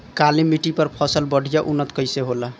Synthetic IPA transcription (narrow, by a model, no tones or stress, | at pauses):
kalimːiʈipəɾpʰɔsəlbəɽ̤ʱijaʔunːət̪kəɪseɦola